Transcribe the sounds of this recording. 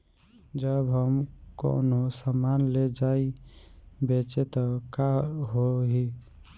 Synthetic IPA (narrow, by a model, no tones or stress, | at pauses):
d͡ʒəbɦəmko̰nosəmanled͡ʒai | bet͡ʃet̪ɔkaɦoɦi